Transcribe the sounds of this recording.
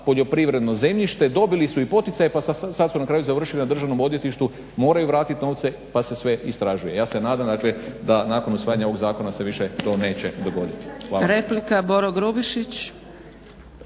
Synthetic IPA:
po̞ʎo̞pɾiʋɾe̞d̪no̞ze̞mʎiʃt̪e̞d̪o̞bilisuipo̞t̪it̪sajepasasad̪sunakɾaːjuzaʋr̩ʃilinad̪rʒaʋno̞mo̞d̪je̞t̪iʃt̪u | mo̞ːɾajuʋɾaːt̪it̪no̞ːʋt̪se̞ | pase̞sʋe̞ist̪ɾaʒuje̞jaːse̞naːd̪amd̪aːkled̪anaːko̞nusʋaːjaɲaoo̞ɡzaːko̞nase̞ʋiʃet̪o̞ːne̞ːt͡ɕe̞d̪o̞ɡo̞d̪it̪i̥xaːɾeplikaboɾoɡɾubiʃit͡ɕ

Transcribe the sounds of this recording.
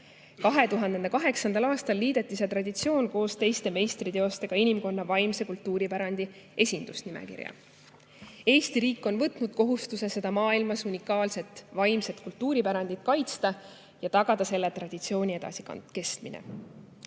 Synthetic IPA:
kɑɦe̞t̪uɦɑnd̪enekɑɦe̞ksɑnd̪ɑlɑːst̪ɑlːiːd̪̥et̪ˑːiset̪rɑd̪ʲit̪sio̞ːnko̞ːst̪e̞jst̪e̞me̞jst̪rit̪e̞o̞st̪e̞ɡ̥ɑinimko̞nːɑvɑjmse̞kult̪ːˑuːɾipæɾɑnd̪̥i | e̞sʲind̪̥usnimḛkḭrjɑ̰ | e̞ːst̪iɾiːkːˑo̞nvɤt̪ˑnud̪̥ko̞ɦust̪use̞se̞d̪ɑmɑːilmɑsunʲikːˑɑːlse̞t̪ːˑvɑjmse̞t̪kult̪ːuːɾipæɾɑnd̪̥it̪kɑjt̪st̪ɑ | jɑt̪ɑɡ̥ɑd̪̥ɑse̞lːet̪rɑd̪̥it̪sio̞ːnʲie̞d̪ɑ̰sikɑ̰ke̞st̪minḛ

